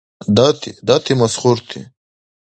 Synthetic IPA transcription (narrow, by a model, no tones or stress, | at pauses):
d̪ɑt̪ʰid̪ɑt̪ʰimɐsχuɾt̪ʰḭ